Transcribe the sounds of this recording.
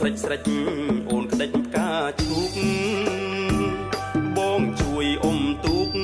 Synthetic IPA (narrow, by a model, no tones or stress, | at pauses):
rəc̚srəc̚ʔoːnkʰəɗəc̚ʰkaːt͡ɕʰuːk̚ŋ | ɓɔːŋt͡ɕuəjʔomt̪uːk̚